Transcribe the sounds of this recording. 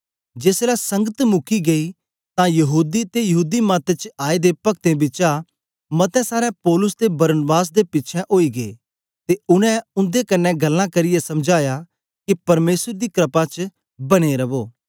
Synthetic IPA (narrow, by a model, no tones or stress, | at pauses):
d͡ʒeːslasɐ̃ŋɡət̪mʊkʰiɡɐi | t̪ãjɐɦuːd̪it̪ejɐɦuːd̪imaːt̪et͡ʃaːed̪epɐk̚t̪ẽbɪt͡ʃa | mɐt̪ɛ̃saːɾɛpɔːlʊsd̪ebɐɾənbaːs̬d̪epɪtːt͡ʃʰɛ̃ʔoːiɡeː | t̪eʊnɛ̃ʊ̃nd̪ekɐnːɛ̃ɡɐlːãkɐɾɪjɛsɐmd͡ʒaːja | kipɐɾmeːsəɾd̪ikɾɐpãt͡ʃ | bɐɽ̃eɾɐʋoː